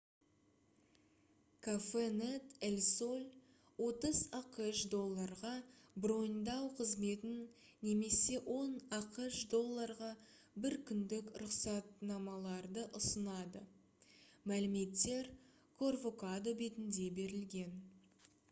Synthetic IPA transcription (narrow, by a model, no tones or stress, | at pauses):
kʰafenet̪elʲso̞lʲ | wo̞t̪əzɑqəʃd̪o̞lˠːɑɾʁɑbro̞nd̪ɑwqʰəzme̞t̪ɪnː | e̞me̞se̞wʔo̞nɑqəʃd̪o̞lˠːɑɾʁɑ | bɪɾkʲʰʏnd̪ɪkɾʊqsɑt̪nɑmɑlˠɑɾd̪əʔʊsənɑd̪ə̰ | mælɪme̞t̪ːe̞ɾ | kʰo̞rvo̞kad̪o̞be̞t̪ɪnd̪e̞be̞ɾɪlɡʲe̞n